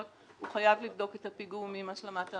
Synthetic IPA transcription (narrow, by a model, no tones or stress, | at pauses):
t | huχajavlivdo̞ketapiɡumimaʃlamata